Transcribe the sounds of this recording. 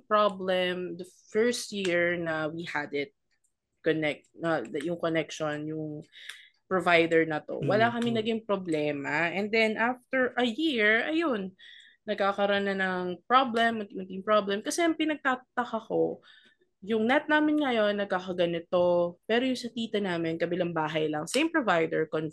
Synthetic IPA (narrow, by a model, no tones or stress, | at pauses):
pɹablɛmd̪ɐ | fɛɹst̪̚jiɹnɐwihɐd̪ɪt̪̚ | konɛk̚t̪̚nɐjʊŋkonɛkʃonjʊŋ | pɹovajd̪ɛɹnɐt̪o̞̰wɐlakɐmɪŋnɐɡɪŋpɾoblɛːmɐʔɛnd̪ɛnʔaft̪ɛɹʔɐjiɹɐjonː | ɐɡ̚kaːkɐɾonɐnɐŋpɾoblɛmɐt̪ɪɐnt̪ɪŋpɾɹoblɛmkɐsɛɐŋpɪnɐɡ̚t̪aːt̪ɐkɐko̞ | jʊŋnɛt̪̚naːmɪnŋɐjo̞nːɐɡ̚kakɐɡɐnɪt̪o̞pɛːɾojʊŋsɐt̪iːt̪ɐnaːmɪnkɐbɪlaŋbaːɦɐjlɐŋsẽjmpɹovajd̪ɛɹkon